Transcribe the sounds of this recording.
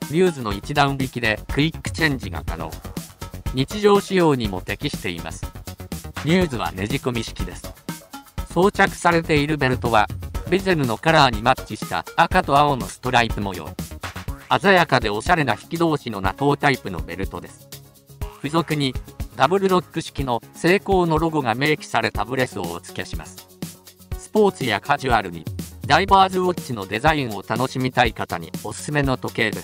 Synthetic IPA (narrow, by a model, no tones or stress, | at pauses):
ɲʲɨːzɨno̞it͡ɕid̪ãɰ̃bʲikʲid̪e̞kɯ̟ikːɯ̟̥t͡ɕẽ̞ɲ̟d͡ʑiɡa̰ka̰no̞̰ː | ɲ̟it͡ɕiʑo̞ːɕijo̞ːɲ̟imo̞̰t̪e̞kʲiɕi̥t̪e̞ḭma̰sɨ̥ | ɲ̟ɨːzɨβ̞a̰ne̞ʑiko̞mʲiɕi̥kʲid̪e̞sɨ̥ | so̞ːt͡ɕakɯ̟̥saɾe̞t̪e̞iɾɯ̟be̞ɾɯt̪o̞βabʲize̞ɾɯ̟no̞kaɾaːɲ̟imat͡ɕiɕi̥t̪a̰akat̪o̞ao̞no̞sɨ̥t̪o̞ɾaipɯ̟mo̞jo̞̰i | azajakad̪e̞o̞ɕaɾe̞naçi̥kʲid̪o̞ːɕino̞na̰t̪o̞ːt̪aipɯ̟no̞̰be̞̰ɾɯ̟t̪o̞d̪e̞sɨ̥ | ɸɯzo̞kɯ̟ɲ̟id̪abɯ̟ɾɯ̟ɾo̞kːɯ̟ɕi̥kʲino̞se̞ːko̞ːno̞ɾo̞ɡoɡame̞ːkʲi̥saɾe̞t̪abɯ̟ɾe̞sɨo̞̰ːt͡sɨ̥kʲeɕima̰sɨ̥ | sɨ̥po̞ːt͡sɨjakʰaʑɨaɾɯ̟ɲ̟ḭɾaibaːzɨβo̞t͡ɕino̞d̪e̞zaĩɰ̃o̞t̪ano̞ɕimʲit̪aikat̪aɲ̟ḭo̞sɨ̥sɨme̞no̞t̪o̞ke̞ːd̪e̞sɨ̥